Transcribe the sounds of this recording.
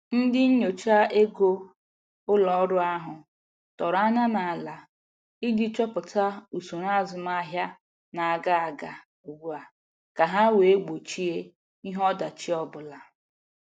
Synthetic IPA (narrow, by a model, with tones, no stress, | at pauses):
n̩˦dɪ˦ɲ̩˦ɲo˨t͡ʃa˦e˦ɡo˦ | ʊ˦lɔ˨ɔ˦ɾʊ˦a˦ɦʊ˨ | tɔ˨ɾa˦na˦na˨a˨la˨ | i˦dɪ˦t͡ʃɔ˦pʊ˨ta˦u˨su˨ɾa˦˨zʊ˨ma˦ɦja˦ | na˨a˨ɡa˦a˨ɡa˨ | u˨ɡʷu˦a˨ | ka˨ɦa˦we˨e˦ɡ͡bo˨t͡ʃi˦e˦ | i˦ɦɔ˦da˨t͡ʃi˦ɔ˦bʊ˨la˨